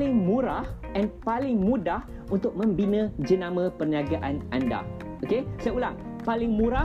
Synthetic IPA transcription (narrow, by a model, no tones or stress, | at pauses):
lɪŋmũɾahʔɛnpalɪŋmũdah | unt̪ʊk̚mə̃mbinə̃d͡ʒənãmə̃pərɲiaɡaʔanʔanda̰ | ʔokesajaulaʔpalɪŋmũɾa